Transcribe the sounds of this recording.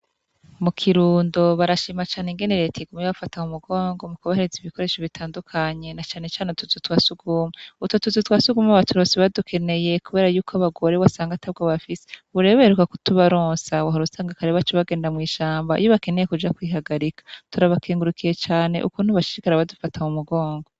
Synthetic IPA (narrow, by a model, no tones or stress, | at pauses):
mukʰiɾuːndo̞βaɾaʃiːmat͡ʃaːneŋɡe̞neɾetʰiɡumiβafatahumuɡoːŋɡo̞mukuβaheɾeziβiko̞ɾe̞ːʃoβitʰaːndukʰaɲe̞nat͡ʃaːne̞t͡ʃaːneutuzutwaːsuɡuːmeutotuzutwasuɡumaβatuɾosiβadukʰe̞ne̞je̞kuβe̞ːɾajuːkʰoaβaɡo̞ɾe̞wasaːŋɡatʰaβɡoβafiseβuɾeββaheɾukakutuβaɾoːnsawaɦaɾusaːŋɡakaɾeβat͡ʃoβaɡe̞ːndamŋiːʃaːmbaḭjoβake̞ne̞jekud͡ʒakwiːɦaɡaɾikḁtuɾaβakʰeːŋɡuɾukʰije̞t͡ʃaːne̞̰ʔukuːn̥huβaʃi̥ʃikaɾaβadufatamumuɡo̞ːŋɡo